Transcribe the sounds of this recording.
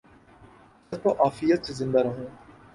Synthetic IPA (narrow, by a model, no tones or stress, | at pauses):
ɐzpɐʔaːfijət̪sezɪ̃nd̪aɾɐɦũː